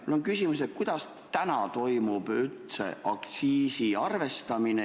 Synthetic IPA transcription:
mulːoŋkysʲimuset̪̚kujd̪̥ɑs | t̪ænɑt̪o̞jmub̥ylt̪sḛʔɑkt̪siːsiɑrve̞st̪ɑmine

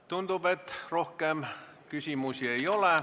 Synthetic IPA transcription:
t̪und̪upet̪rohkeɑˑm | kysiˑmusieioleˑ

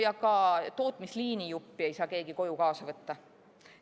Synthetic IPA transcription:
jɑkɑt̪o̞ːt̪ˑmisliːnijupːie̞jsɑːke̞ːɡ̥iko̞jukɑːsɑvɤt̪ːɑ

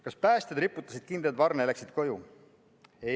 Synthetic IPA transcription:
kɑspæːst̪ed̪ɾipːˑut̪ːˑɑsid̪̥̚kind̪et̪vɑrneeleksid̪̥ko̞ju | e

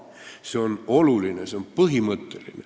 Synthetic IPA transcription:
se̞o̞nolulineseompɤɦimət̪ːelḭne

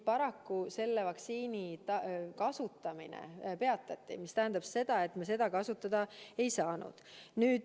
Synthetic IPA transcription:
pɑɾɑkːuse̞lːevɑksiːnit̪ɑkɑsut̪ːˑɑmḭnḛpe̞ɑt̪ˑːɑt̪ˑːḭmist̪æɦænd̪ɑb̥se̞d̪̥ɑe̞t̪mes̬e̞d̪̥ɑkɑsut̪ːˑɑd̪̥ɑe̞jsɑːnṵd̪̥nyːd̪̥

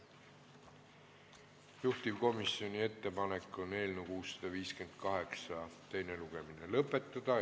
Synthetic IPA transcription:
juht̪ivko̞misio̞nʲie̞t̪ːe̞pɑne̞kːˑo̞nːe̞ːlnukuːsːɑ̥d̪̥ɑviːske̞nd̪̥̚kɑɦe̞ksɑt̪e̞jne̞luɡ̥e̞minelɤpːˑe̞t̪ːˑɑd̪̥ɑ

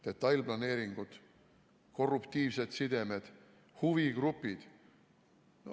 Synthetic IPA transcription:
d̪̥e̞t̪ːˑɑjlblɑne̞ːɾiŋɡ̥ud̪̥ | ko̞rupt̪iːvse̞d̪̥sid̪̥e̞med̪̥ | huviɡ̥ɾupːˑid̪̥ | n

